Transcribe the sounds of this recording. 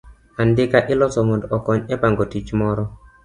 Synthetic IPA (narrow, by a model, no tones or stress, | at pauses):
andɪkaʔɪlɔsɔmondɔkɔɲɛpaŋɡotit͡ʃmɔɾɔ